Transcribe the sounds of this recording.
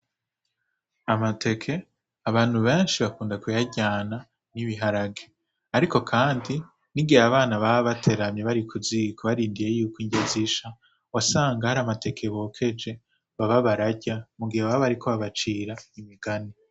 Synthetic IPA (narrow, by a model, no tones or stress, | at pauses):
amatʰe̞kʰe̞ | aβaːn̥huβe̞ːnʃiβakuːndakujaɟaːna | niβiɦaɾaɡe | aɾiko̞kʰaːndi | niɡiaβaːnaβaβatʰe̞ɾamɲe̞βaɾikʰuzikʰoβaɾiːndije̞juːkiːɲɟeziʃa | wasaːŋɡahaɾaːmate̞kʰe̞βoːkʰe̞d͡ʒe̞ | βaβaβaɾaɟamuɡihewaββaɾikʰo̞βaβat͡ʃiːɾaimiɡani